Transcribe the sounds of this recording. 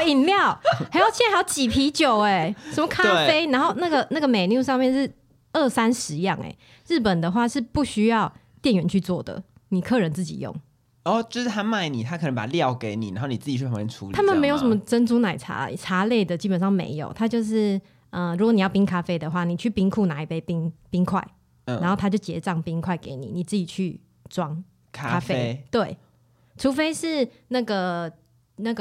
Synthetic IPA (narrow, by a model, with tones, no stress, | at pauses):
i˨˩nljɑ˥˩ʊa˧˥jo˥˩ʊt͡ɕʰɛ˥jɑ˧˥ʊt͡ɕi˨˩pʰi˧˥t͡ɕjo˨˩ʊe˨ʂə˧˦mə˧kʰa˥e˥˩fe˥ɪna˧˥nxo˥˩ʊna˥˩ɡə˨˩na˥˩ɡə˨me˨ɪnju˥˧ʂ̬ɑ˥˧ŋmjɛ˥˧nʂɻ̩˥˩ | ə˥˩sa˦˥nʂɻ̩˧˥i˧jɑ˥˨˩ŋḛ˨˩ɪ | ɻ̩˥˩pə˨˩nd̪ə˩xwa˥˧ʂɻ̩˥˧pu˥˩ɕy˥jɑ˥˧ʊ | t̪jɛ˥˩nɥɛ˧˥nt͡ɕʰy˥˧t͡swɔ˥˩d̪ə̰˩ni˨˩kʰɤ˥˩ɻə˧˦nt͡sɹ̩˥˩t͡ɕḭ˨˩jo̰˥˨˩ŋ | ɔ˥˧t͡ɕo˥˧ʂɻ̩˥˩t̪ʰa˥ma˥˩ɪni˨˩t̪ʰa˥kʰnə˦pa̰˨˩ljɑ˥˨ʊke˧˥ɪnḭ˨˩na̰˧˦nxo˥˩ni˨˩t͡sɹ̩˥˩t͡ɕʰy˥˩˨jɛ˧˥ṵ˧˦li˨t̪ʰa˥mə˨nm˦e˧˥ɪjʂə˧˦mə˦˧ʈ͡ʂə˥nt͡su˥na˨˩ɪʈ͡ʂʰa̰˧˥ʈ͡ʂʰa˧˥le˥˩ɪd̪ə˩t͡ɕi˦˥pə˨˩nʂɑ˥˩ŋmḛ˧˥ɪjo˨˩ʊt̪ʰa˦t͡ɕjo˥˧ʊʂ̬ɻ̩˥˩ | ə˧ɻu˧˥kwni˨˩jɑ˥˩ʊpi˦˥ŋkʰa˥fe˥ɪd̪ə˨xwa˥˩ni˨˩t͡ɕʰy˥˩pi˥ŋkʰu˥˩na˨˦i˨˩pe˧˥ɪpi˦˥ŋpi˥ŋkʰwa̰˥˩ɪ | n˥˩a˧nxo˥˩ʊa˥t͡ɕjo˥˩ʊt͡ɕjɛ˧˥t͡sɑ˥˩ŋpi˦˥ŋkʰwa˥˩ɪke˧˥˦ɪnḭ˨˩ni˨˩t͡sɹ̩˥˩t͡ɕi˨˩t͡ɕʰy˥˩ | ʈ͡ʂwɑ˦˥ŋ | kʰa˦ka˥fe˥ɪt̪we˥˩ɪ | ʈ͡ʂʰu˧˥fe˥ɪʂɻ̩˥˩ | na˥˩ɡə˩ | na˥˩ɡ